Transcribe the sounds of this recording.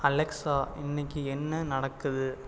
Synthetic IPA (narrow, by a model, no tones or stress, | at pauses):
ɐlɛksaːɪnːɪkːɯɛnːɐnɐɽɐkːɯðɯ